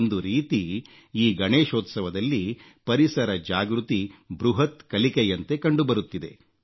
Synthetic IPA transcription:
nd̪uɾiːt̪i | iːɡɐɳeːʃoːt̪sɐʋɐd̪ɐlːi | pɐɾisɐɾɐd͡ʒaːɡɾut̪ibɾuɦɐt̪kɐlikejɐnt̪e̞kɐɳɖubɐɾut̪ːid̪e̞̰

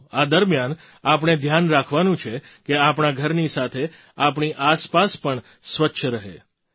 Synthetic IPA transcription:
ad̪əɾmjan | ap̬ɳ̃ed̪ʱjanɾakʰʋanũt͡ʃʰekeapɳaɡʱəɾnisat̪ʰe | apɳiʔaspaspəɳ | sʋətːʃʰəɾəɦḛ

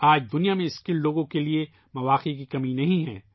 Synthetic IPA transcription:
aːd͡ʒd̪ʊnijamẽɪskɪlloːɡõkelie | mɐʋaːqekikɐminɐɦĩɦɛ̰̃ː

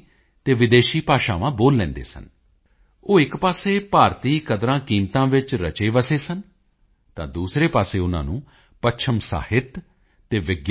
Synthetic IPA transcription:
t̪eːʋɪd̪eːʃiːpaːʃaːʋãːboːlːɛ̃ːnd̪ḛːsə̰n | oːɪkpaːseːpaːɾt̪iːkəd̪ɾãːkiːmt̪ãːʋɪt͡ʃɾə̰t͡ʃeːʋəseːsən | t̪ã̰ːd̪uːsɾeːpaːseːʊnã̰ːnũː | pətːʃʰəmsa̰ːhɪt̪ː | eːʋɪɡ

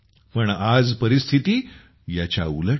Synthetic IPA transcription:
pəɳad͡zpəɾist̪ʰit̪iː | jat͡ɕja̰ulə

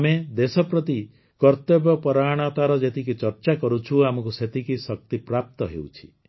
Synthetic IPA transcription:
amed̪esɔpɾɔt̪i | kɔɾt̪ebɔpɔɾaɽ̃ɔt̪aɾɔd͡ʒet̪ʰik̬it͡ʃɔɾt͡ʃakɔɾut͡ʃʰuamɔkuset̪ʰikisɔk̚t̪ipɾap̚t̪ɔɦḛwt͡ʃʰi̥

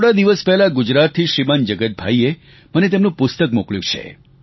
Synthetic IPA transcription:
ɽad̪iʋəspɛɦlaɡʊd͡ʒɾat̪ʰːiʃɾimənd͡ʒəɡət̪̚bʱa̰ie | mənet̪emnũpʊst̪əkmukɭjṵ̃t͡ʃʰḛ

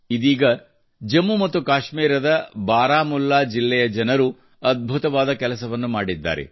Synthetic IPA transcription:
id̪iːɡɐ | d͡ʒɐmːumɐt̪ːukaːʃmiːɾɐd̪ɐbaːɾaːmulːaːd͡ʒilːɛjɐd͡ʒɐnɐɾu | ɐd̪̚bʱut̪ɐʋaːd̪ɐkɛlɐsɐʋɐnːumaːɽid̪ːa̰ːɾḛ

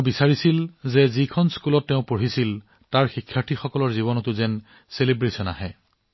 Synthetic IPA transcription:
bisaɹisilzɛzikʰɔnskulɔtːɛʊ̃poɹisil | taɹxikʰːjaɹtʰixɔkɔlɔɹziβɔnɔtʊzɛn | selebɹisɔna̰ɦɛ

